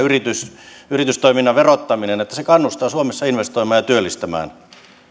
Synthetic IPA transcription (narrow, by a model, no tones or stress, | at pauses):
yrit̪ysyrit̪yst̪oiminːɑʋerot̪ːɑminenet̪ːæsekɑnːust̪ɑːsuomesːɑinʋest̪oimɑːjɑt̪yølːist̪æmæ̰ːn